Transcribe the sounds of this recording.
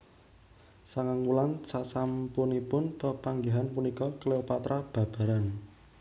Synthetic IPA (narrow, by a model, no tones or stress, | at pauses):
saŋaŋwulansasampunipʊnpəpaŋɡiɦanpunikɔkleopat̪ɾab̥a̤b̥a̤ɾan